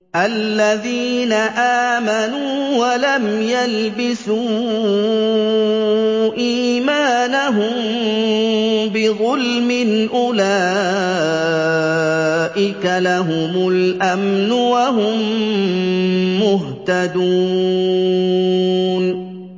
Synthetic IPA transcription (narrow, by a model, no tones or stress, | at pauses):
ʔalːaðiːnaʔaːmanuwalamjalbɪsuː | ʔiːmaːnaɦʊm | bɪɣʊlmɪnʔʊlaː | ʔɪkalaɦʊmʊlʔamnʊwaɦʊm | ʊɦt̪ad̪u | n